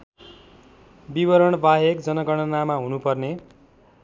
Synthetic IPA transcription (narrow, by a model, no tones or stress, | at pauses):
bibʌɾʌɳbaɦekd͡zʌnʌɡʌɽ̃ʌnamaɦunupʌrne